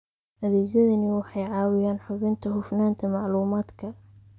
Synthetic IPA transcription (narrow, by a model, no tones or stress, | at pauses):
ʔɐðɛːd͡ʒɐðɐnɪwɑħɑjʕɑːwɪjaːnħʊβɪnt̪ʰɐɦʊfnaːnt̪ʰɐmɑʕluːmaːd̪kʰɐ